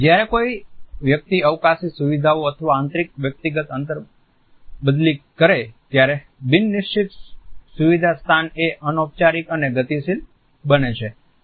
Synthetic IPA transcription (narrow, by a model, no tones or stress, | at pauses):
d͡ʒjaɾekoiʋjək̚t̪iəʋkasisuʋid̪ʱaoət̪ʰəʋaːnt̪ɾik̚ʋjək̚t̪iɡət̪ənt̪əɾ | bəd̪likəɾet̪jaɾe | bɪnːɪʃt͡ʃʰit̪suʋid̪ʱast̪ʰaneʔənop̚t͡ʃaɾikəneɡət̪isil | bənet͡ʃʰe